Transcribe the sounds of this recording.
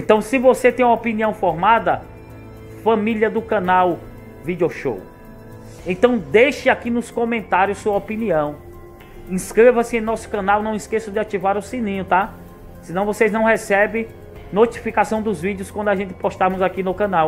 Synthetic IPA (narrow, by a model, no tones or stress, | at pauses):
ẽnt̪ɐ̃w̃sɪvoset̪ẽj̃ũɐopiniɐ̃w̃fɔɾmad̪ɐ | fɐ̃miljɐd̪ʊkɐ̃naw | vid̪ioʃo̰w | ẽt̪ɐ̃w̃d̪eʃɪakinʊskõmẽnt̪aɾjʊssuɐopiniɐ̃w̃ | ĩskɾevɐsɪẽnɔsʊ̥kɐ̃nawnɐ̃w̃iskesʊd̪ɪat͡ʃivaɾʊsĩnĩɲʊt̪a | sɪ̃nɐ̃w̃voseznɐ̃w̃ɦɛsɛbẽj̃ | not͡ʃifikasɐ̃w̃d̪ʊzvid̪iʊskwɐ̃nd̪ʊaʒẽnt̪ɪ̥pɔʃt̪amʊzakinʊkɐ̃naw